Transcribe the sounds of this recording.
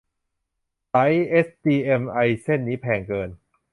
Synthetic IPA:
sa˦˥jʔe˦˥st̪iː˧ʔe˧mʔa˧jse˥˩nːiː˦˥pʰɛː˧ŋkɤː˧n

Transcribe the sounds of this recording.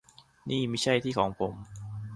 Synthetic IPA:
niː˥˩ma˥˩jt͡ɕʰa˥˩jt̪ʰiː˥˩kʰɔː˩˦ŋpʰo˨˩˦m

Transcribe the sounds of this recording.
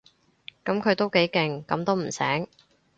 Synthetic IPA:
kɐ˨˥mkʰɵ˨˧t̪o˥wke˨˥jkɪ˨ŋkɐ˨˥mt̪o˥wm̩˨˩sɛ̰ː˨˥ŋ

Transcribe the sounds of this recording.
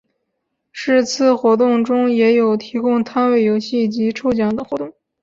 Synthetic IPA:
ʂɻ̩˥˧t͡sʰɹ̩˥˩xwɔ˧˥t̪̬ʊ˥˩ŋʈ͡ʂʊ˥ŋjɛ˧˥jo˨˩ʊt̪ʰi˧˥kʊ˥ŋt̪ʰa˥nwe˥˩ɪjo˧˥ʊɕi˥˩t͡ɕi˧˥ʈ͡ʂʰo˥ʊt͡ɕjɑ˧˥ŋd̪ɤ˧˩ŋxwɔ˧˥t̪ʊ˥˩ŋ

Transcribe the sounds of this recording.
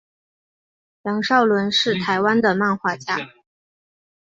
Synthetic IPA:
jjɑ˧˥ŋʂɑ˥˩ʊlwə˧˥nʂɻ̩˥˩t̪ʰa˧˥ɪwa˥nd̪ə˨ma˥˧nxwa˥˧t͡ɕja̰˥˩

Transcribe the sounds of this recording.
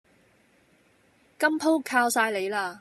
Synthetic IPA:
kɐ˥mpʰo˥wkʰaː˧wsaː˧jle˨˧jlaː˧

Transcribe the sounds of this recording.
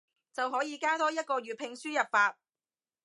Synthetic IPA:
t͡sɐ˨wɦɔː˨˥jiː˨˧kaː˥t̪ɔː˥jɐ˥t̚kɔː˧ɥyː˨˩t̚pʰɪ˧ŋsyː˥jɐ˨p̚faː˧t̚

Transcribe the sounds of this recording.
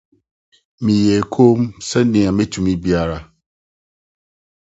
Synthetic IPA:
mĩ˨jɛ˨kʰo˦msɛ˦nɪ̃˨a˨mɛ̃˦tʰũ˨mĩ˦bi˦a˦ɾa˨

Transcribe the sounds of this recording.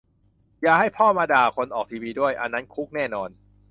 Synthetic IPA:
jaː˨˩ha˥˩jpʰɔː˥˩maː˧daː˨˩kʰo˧nʔɔː˨˩k̚t̪ʰiː˧wiː˧du˥˩əjʔa˧nːa˦˥nkʰu˦˥k̚nɛː˥˩nɔː˧n

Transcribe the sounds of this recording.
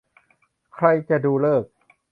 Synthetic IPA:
kʰɾa˧jt͡ɕa˨˩duː˧lɤː˥˩k̚

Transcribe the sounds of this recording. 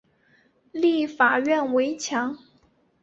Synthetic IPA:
li˥˩fa˨˩ɥɛ˥˩nwe˧˥ɪt͡ɕʰjɑ˧˥ŋ

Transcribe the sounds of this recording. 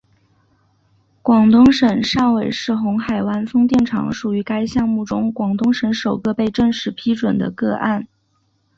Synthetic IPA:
kwɑ˨˩ŋt̪ʊ˥ŋʂə˨˩nʂɑ˥˩ŋwe˨˩ɪʂɻ̩˥˩xʊ˧˥ŋxa˨˩ɪwa˥nfɤ˥ŋt̪jɛ˥˩nʈ͡ʂʰɑ̰˧˥ŋʂu˨˩y˧˥ka˥ɪɕjɑ˥˧ŋmu˥˩ʈ͡ʂʊ˥ŋkwɑ˨˩ŋt̪ʊ˥ŋʂə˧˥nʂo˨˩ʊkɤ˥˧pe˥˧ɪʈ͡ʂɤ˥˧ŋʂɻ̩˥˩pʰi˥ʈ͡ʂwə˨˩nd̪ə̰˦kɤ˥˧ʔa̰˥˩n

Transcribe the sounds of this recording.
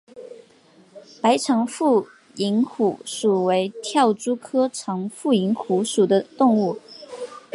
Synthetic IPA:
pa˧˥ɪʈ͡ʂʰɑ˧˥ŋfu˥˩ | i˧˥ŋxu˨˩ʂu˨˩we˧˥ɪt̪ʰjɑ˥˩ʊʈ͡ʂu˥kʰɤ˥ʈ͡ʂʰɑ˧˥ŋfu˥˩i˧˥ŋxu˧˥ʂu˨˩d̪ə˦t̪ʊ˥˧ŋu˥˩

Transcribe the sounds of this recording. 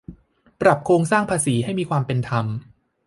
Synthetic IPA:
pɾa˨˩p̚kʰɾoː˧ŋsaː˥˩ŋpʰaː˧siː˩˦ɦa˥˩jmiː˧kʰwaː˧mpe˧nt̪ʰa˧m

